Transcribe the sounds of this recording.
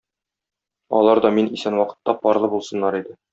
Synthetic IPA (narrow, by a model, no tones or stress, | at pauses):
ɒ̰lˠɑɾd̪ɒminisænwɒqɤ̥̆t̪ːɑpɒɾlˠɤbulˠsɤ̆nːɑɾid̪ɘ